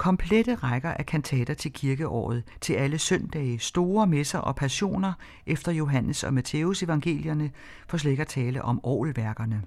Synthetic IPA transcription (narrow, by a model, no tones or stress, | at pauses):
kʰɒ̽mpʰled̥əʁɑɡ̥ɐʔækʰænt͡sʰɛ̰ːd̥ɐt͡sʰe̝lkʰiɐɡ̥əʔɒ̰ːð̞̩ˠt͡sʰe̝læləsœnd̥ɛ̰ːsd̥o̝ːɐmesɐʔɒ̽pʰæɕo̝̰ːnɐ | ʔefd̥ɐjo̝ɦænəsɒ̽mæt͡sʰeuse̝ʋɑ̈ŋɡ̥e̝̰ːljɐnə | fɒ̽s̬leɡ̥ɐt͡sʰɛːləʔɒ̽mɒ̰ːlʋæɐɡ̥ɐnə